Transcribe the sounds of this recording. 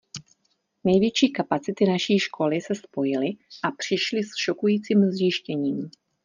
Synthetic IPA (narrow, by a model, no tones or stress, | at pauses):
nɛjvjɛt͡ʃiːkapat͡sɪt̪ɪnaʃiːʃkʰo̞lɪsɛspo̞jɪlɪʔapr̝̥ɪʃlɪsʃokujiːt͡siːmzjɪʃcɛɲiːm